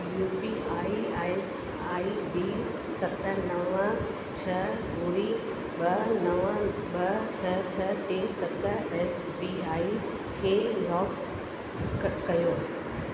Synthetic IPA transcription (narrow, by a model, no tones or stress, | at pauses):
juːpiaːiaːs | aːibiː | sɐt̪ənɐʋə̃ | t͡ɕʰɐɡuɽi | ɓɐnɐʋə̃ɓɐt͡ɕʰɐt͡ɕʰɐʈeːsɐt̪əɛːs | biaːi | kʰeːlɔːk | kːɐjoː